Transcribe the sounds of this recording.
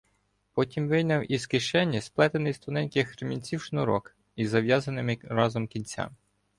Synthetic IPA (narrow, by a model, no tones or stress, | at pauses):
pɔtʲimʋɪjnʲɐwʔiskɪʃɛnʲːɐsplˠɛt̪enɪjst̪ʊnɛnʲkɪxɾemʲinʲt͡sʲiwʃnʊɾɔ̰k | izɐʋʲjɑzɐnɪmɪɾɑzɔmkʲinʲt͡sʲa̰m